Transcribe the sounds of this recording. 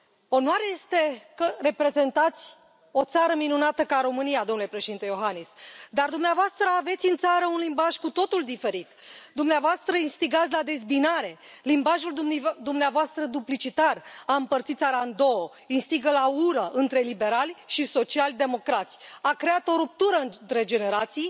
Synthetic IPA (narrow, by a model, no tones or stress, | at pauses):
o̞nwaɾeje̞st̪e̞kəre̞pɾe̞ze̞nt̪at̪sʲ | o̞t̪saɾəminunat̪əkaɾo̞mɨnijad̪omnulepɾe̞ʃeint̪ejo̞ɦanisd̪ard̪umneavoast̪ɾəave̞t̪sʲɨnt̪saɾəunlimbaʒkut̪o̞t̪uld̪ife̞ɾit̪d̪umneavoast̪ɾəinst̪iɡat̪sʲlad̪e̞zbinaɾe̞limbaʒuld̪umneavoast̪ɾəd̪uplit͡ʃit̪araɨmpərt̪sit̪sʲaɾand̪o̞o | inst̪iɡəlauɾəʔɨnt̪ɾe̞libe̞ɾalʲʃiso̞t͡ʃialʲd̪e̞mo̞kɾat̪sʲakɾe̞at̪o̞ɾup̚t̪uɾəɨt̪ɾe̞d͡ʒe̞ne̞ɾat̪sij